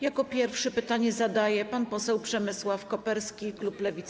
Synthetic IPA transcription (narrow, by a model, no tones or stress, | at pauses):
jakɔpʲjɛɾfʂɛpɘt̪aɲɛzad̪ajɛpanpɔsɛwpʂɛmɘswafkɔpɛɾskʲikluplɛvʲit̪s